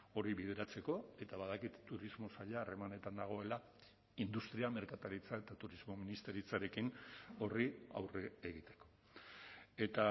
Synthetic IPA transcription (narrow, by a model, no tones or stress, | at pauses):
o̞ɾiβið̞eɾat͡se̞ko̞e̞t̪aβaðakit̪t̪ːuɾizmo̞saʎaːre̞mane̞t̪and̪aɣ̞o̞e̞la | ind̪ust̪ɾiame̞ɾkat̪aɾit͡sae̞t̪at̪uɾizmo̞minist̪e̞ɾit͡saɾe̞kino̞ria̰wreːɣit̪e̞̥ko̞̥ | e̞t̪a